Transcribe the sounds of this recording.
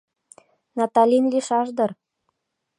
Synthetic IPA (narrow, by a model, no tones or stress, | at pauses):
nɑt̪ɑlʲinlʲiʃɑʒd̪ɤ̆r